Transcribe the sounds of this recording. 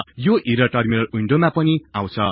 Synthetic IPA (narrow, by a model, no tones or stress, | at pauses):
joʔiɾʌʈʌrminʌlujɳɖomapʌniaw̃t͡sʰʌ